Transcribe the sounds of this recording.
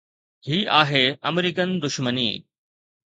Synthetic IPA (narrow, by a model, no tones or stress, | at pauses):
ɦiːʔaːɦeːɐmɾiːkənd̪ʊʃmənḭː